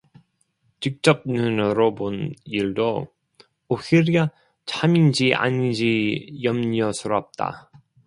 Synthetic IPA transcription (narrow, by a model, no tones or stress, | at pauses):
t͡ɕik̚t͡ɕ͈ʌp̚nɯnɯɾoboniɭdo | ohiɾia | t͡ɕʰamind͡ʑiʔa̰ɲind͡ʑijʌmɲiʌsʰɯɾʌp̚t͈a̰